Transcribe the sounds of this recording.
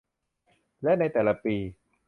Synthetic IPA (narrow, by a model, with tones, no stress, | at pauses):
lɛ˦˥ʔna˧jt̪ɛː˨˩la˧piː˧